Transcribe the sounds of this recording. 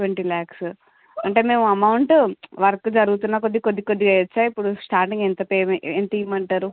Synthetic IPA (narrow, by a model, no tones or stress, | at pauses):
ʋɐɳʈɾilaːks | ɐɳʈe̞ːme̞ːmuɐmɐwuɳʈʋɐɾɐkːud͡ʒɐɾuɡut̪̬unːaːk̬od̪ːikod̪ːikod̪ːiet͡ʃːaːipːuɽusʈaːɾʈiŋɡɛnt̪ɐpeːment̪ɐiːmɐɳʈaːɾu